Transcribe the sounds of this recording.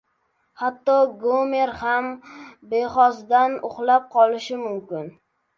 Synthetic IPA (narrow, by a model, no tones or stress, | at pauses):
hat̪ːɒɡomeɾhambeχɒsd̪anʊχlap̚qʰɒlɪʃɪmʊmkʲɪn